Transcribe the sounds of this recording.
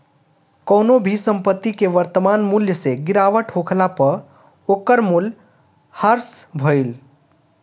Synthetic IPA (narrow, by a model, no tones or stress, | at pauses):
kəwnobʱisə̃mpət̪ːikeʋəɾt̪əmanmuljəseɡɪɾaʋəʈɦokʰlapəɾ | okəɾmul | həɾsbʱoil